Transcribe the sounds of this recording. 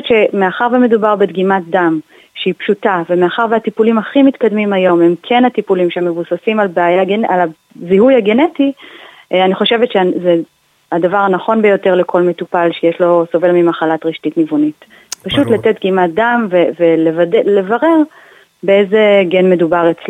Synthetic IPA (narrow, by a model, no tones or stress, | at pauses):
tʃe̞meaχaʁveme̞dubaʁbedɡimat̚dam | ʃeipʃutavemeaχaʁveatipulimaχimitkadmimajo̞me̞mkʰenhatipulimʃeemːe̞vusasimalbeajaɡala | zihujhaɡeneti | aniχo̞ʃevetʃeze | hadavaʁanaχo̞nbejo̞teʁlekʰo̞lmetupalʃejeʃlo̞so̞ve̞lmimaχalatʁiʃtitnivunit | paʃutlat̪et̚dɡimat̚damvevelevadele̞vaʁe̞ʁ | beezeɡenme̞dubaʁet͡sli